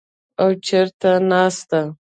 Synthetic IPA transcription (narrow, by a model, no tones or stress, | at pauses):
awt͡ʃeɾt̪anɑst̪a